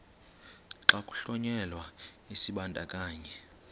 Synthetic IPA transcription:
ǁakʼu̥ɬɔɲɛlwa | isiɓantʼa̰kʼaːɲɛ

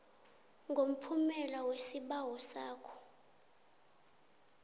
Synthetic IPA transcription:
ŋɡʱom̩pʰumɛlawesiɓawɔsaːkʰɔ̥

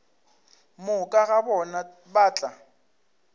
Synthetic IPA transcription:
mʊkʼaɣabɔna | baːt͡ɬʼa

